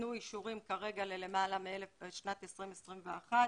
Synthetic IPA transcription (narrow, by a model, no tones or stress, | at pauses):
nujiʃuʁimkaʁe̞ɡalele̞malameelefʃnat̪esʁimesʁimveaχa